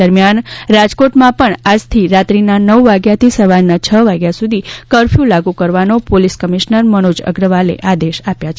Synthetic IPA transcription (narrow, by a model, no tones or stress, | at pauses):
əɾmjanɾad͡ʒkoʈmãpəɳad͡ʒt̪ʰiɾat̪ɾinanəʋːaɡjat̪ʰisəʋaɾnat͡ʃʰəʋaɡjasud̪ʱikəɾfʰjũlaɡũkəɾʋanopoliskəmiʃnəɾməñod͡ʒə̰ɡɾəʋalḛʔad̪eʃapjat͡ʃʰ